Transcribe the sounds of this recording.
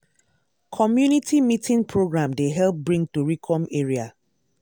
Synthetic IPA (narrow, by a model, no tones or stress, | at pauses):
kʰɔmjunitʰimitʰĩŋpʰɹoɡɹãmdeɦɛlp̚bɹĩŋ̚tuɹikʰɔ̃meɹia